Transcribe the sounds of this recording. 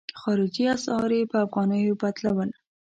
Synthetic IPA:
xɑɾɪd͡ʒiasɑɾepəafɣɑnəjobad̪lawəla

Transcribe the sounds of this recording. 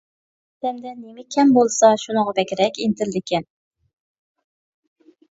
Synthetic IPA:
d̪ɛmd̪ɛnːemɪkʲʰɛmbolˠsɑʃunɨŋʁɑbɛkʲɪɾɛkʲent̪ʰɪɾd̪ɪkʲʰɛn

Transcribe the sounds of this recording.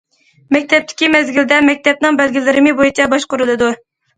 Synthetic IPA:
mɛk̚ʲt̪ʰɛp̚t̪ʰɪ̥kʲimɛzɡʲild̪ɛmɛk̚ʲt̪ʰɛp̚nɨŋbælɡʲilɪɾɪmɪbojit͡ʃʰɛbɑʃqʊɾɨlˠɨd̪u

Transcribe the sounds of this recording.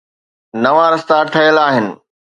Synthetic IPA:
nɐʋãɾɐst̪aʈʰɐjəlaːɦɪnɪ̆

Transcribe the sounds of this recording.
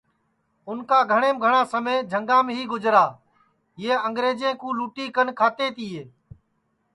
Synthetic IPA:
ʊnkaːɡʱəɽ̃eːmɡʱəɳãːsəmẽːd͡ʒʱəŋɡãːmɦiːɡʊd͡ʒɾaː | eːəŋɡɾeːd͡ʒẽːkũːluːʈiːkənkʰaːt̪eːt̪iːeː

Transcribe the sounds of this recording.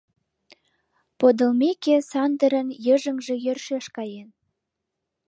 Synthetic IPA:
pod̪ə̆lmekesɑnd̪əɾənjəʒə̆ŋʒĕjørʃeʃkɑjen

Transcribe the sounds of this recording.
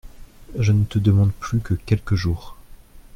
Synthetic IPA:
ʒənət̪əd̪əmɑ̃d̪plykəkʲɛlkəʒuːʁ

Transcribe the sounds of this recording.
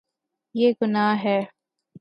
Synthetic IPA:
jeːɡʊnaːɦɛː

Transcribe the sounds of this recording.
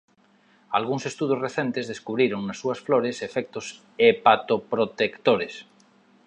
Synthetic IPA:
alɣuŋsest̪uðosreθent̪ezðeskuβɾiɾoŋnasːuasfloɾesefɛk̚t̪os | epat̪opɾot̪ekt̪oɾes

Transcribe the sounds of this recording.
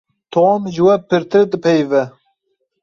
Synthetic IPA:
t̪ʰomʒɨwɛpɨɾt̪ʰɨɾd̪ɨpʰɛjvɛ

